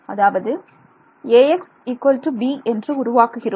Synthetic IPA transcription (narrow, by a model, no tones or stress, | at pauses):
ɐðaːʋɐðɯ | eːɛks | ikʋɐlʈubiːʔɛndrɯʊɾʊʋaːkɯɣɪr